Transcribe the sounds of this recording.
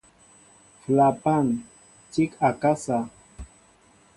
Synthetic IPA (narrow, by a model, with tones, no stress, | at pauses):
fla˨pa˦˨n | t͡ʃi˦ka˨ka˦sa˨